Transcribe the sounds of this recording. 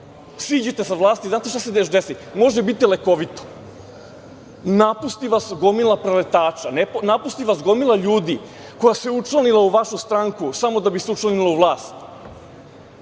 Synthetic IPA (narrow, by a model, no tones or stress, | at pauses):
sʋiːd͡ʑet̪esaʋlˠaːst̪izaːt̪e̞ʃt̪as̬ed̪eʃd̪esimo̞ʒebit̪ileko̞ʋit̪o̥ | napust̪iʋasɡo̞milˠapɾelet̪aːt͡ʃanepnapust̪iʋasɡo̞milˠaʎuːd̪i | ko̞jaseut͡ʃlanilauʋaʃust̪ɾaŋkusamo̞d̪abiseut͡ʃlˠanilˠauʋlˠaːst̪